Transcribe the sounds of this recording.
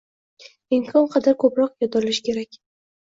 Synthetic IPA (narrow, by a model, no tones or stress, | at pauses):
ɪmkʰɒnqʰɑd̪aɾkʰɵpɾɒqjɒd̪ɑlɪʃkʲʰe̞ɾakʲ